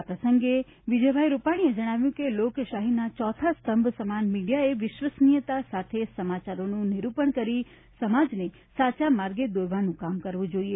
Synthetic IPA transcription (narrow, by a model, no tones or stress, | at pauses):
apɾəsəŋɡe | ʋid͡ʒəbʱajɾupaɽ̃ied͡ʒəɽ̃aʋjũkelokʃaɦinat͡ʃɔt̪ʰast̪əmbʱsəmanmiɖijaeʋɪʃʋəsnijət̪asat̪ʰesəmat͡ʃaɾonũnɪɾupəɳkəɾi | səmad͡ʒne | sat͡ʃamaɾɡed̪oɾʋanũkamkəɾʋũd͡ʒoie